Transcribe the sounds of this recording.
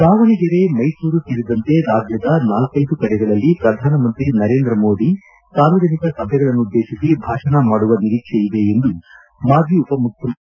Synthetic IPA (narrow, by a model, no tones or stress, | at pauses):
saːʋɐniɡɐɾe̞mɐjsuːɾut̪iɾid̪ɐnt̪e̞d̪aːbjɐd̪ɐnaːlkɐjd̪ukɐɽɛɡɐɭɐlːipɾɐd̪ʱaːnɐmɐnt̪ɾinɐɾe̞ːnd̪ɾɐmo̞ːd̪i | saːɾʋɐd͡ʒɐnikɐsɐbʱɛɡɐɭɐnːuud̪ːeːʃisibʱaːʂɐnɐmaːɽuʋɐniɾiːkʂeid̪e̞end̪u | maːd͡ʒ̪ʱiupɐmuk̪ʰːɐ